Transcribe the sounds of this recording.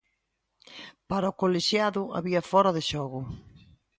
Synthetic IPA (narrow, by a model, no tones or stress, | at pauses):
paɾɐʊkoleʃjaðʊa̰βiɐfɔɾɐðɪʃɔɣʊ